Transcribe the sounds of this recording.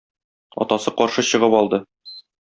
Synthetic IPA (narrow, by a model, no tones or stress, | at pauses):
ɒ̰t̪ɑsɤqɒɾʃɤɕɤ̆ʁɤpɒlˠd̪ɤ